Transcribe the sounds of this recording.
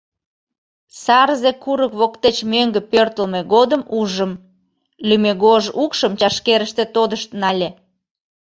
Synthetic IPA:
sɑrzekuɾəkβokt̪et͡ɕmøŋɡəpørt̪əlmeɣod̪əmuʒəm | lymeɣoʒukʃəmt͡ɕɑʃkeɾəʃt̪et̪od̪əʃt̪nɑlʲe

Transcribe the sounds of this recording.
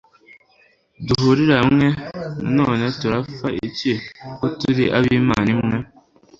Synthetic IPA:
duɦuɾiɾamwena̰noːnetuɾafaḭcekotuɾiʔa̰βimanimŋe

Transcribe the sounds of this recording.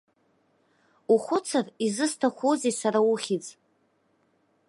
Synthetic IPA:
uχʷʊt͡sʰarizɨstʰaχʷozesaɾauχʲit͡sʼ

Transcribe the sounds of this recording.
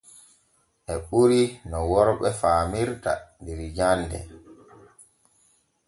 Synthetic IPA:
ʔɛɓuɾinɔwɔɾɓɛfaːmiɾta̰dɛɾd͡ʒanːdɛ̰

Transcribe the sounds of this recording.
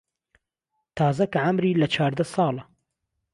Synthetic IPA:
t̪ʰɑːzɐkɐʕɐmɾiːlɐt͡ʃʰaːɾd̪ɐsɑːlɐ

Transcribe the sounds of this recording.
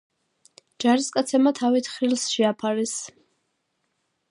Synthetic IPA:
d͡ʒaɾiskʼat̪sʰɛmat̪ʰavit̪ʰχɾilˠsʃɛapʰaɾɛs

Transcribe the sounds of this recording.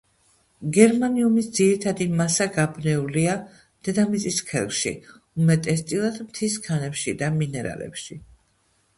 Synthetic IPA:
ɡɛɾmaniumisd̪z̥iɾit̪ʰad̪imasaɡabnɛulia | d̪̥ɛd̪amit̪sʼiskʰɛ̰lˠʃḭ | umɛt̪ʼɛst̪ʼilˠad̪mt̪ʰiskʰanɛpʃid̪aminɛɾa̰lɛ̰pʃi

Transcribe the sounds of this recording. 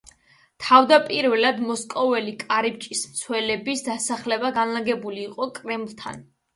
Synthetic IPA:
t̪ʰavd̪apʼiɾvɛlad̪mɔskʼɔvɛlikʼaɾip̚t͡ʃʼismt̪sʰwɛlɛbisd̪asaχlɛbaɡanlaɡɛbuliːqʼɔkʼɾɛmlˠt̪ʰa̰n

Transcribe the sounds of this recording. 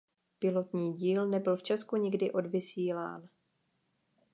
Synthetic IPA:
pɪlot̪ɲiːɟiːlnɛbɪlft͡ʃɛskuɲɪɡdɪʔo̞dvɪsiːla̰ːn

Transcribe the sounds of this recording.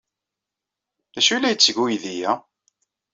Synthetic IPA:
æʃulːæjət͡sːɡujðijæ

